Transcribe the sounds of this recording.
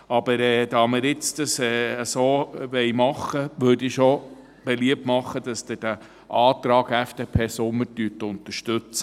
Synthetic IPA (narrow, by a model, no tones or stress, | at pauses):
ɑb̥əɾɛːd̥̪ɑːmɪɾɪt͡sd̥̪ɑsɛːəsoːʋɛɪmɑχəʋøɾdiʃo | b̥eliəp̚tmɑχːəd̥̪ɑsd̥̪ɛd̥æ | ʔɑːt̪ɾɑːɡɛfd̥eːpʰeːsʊmːətyətʊnt̪əɾʃtɵt͡sə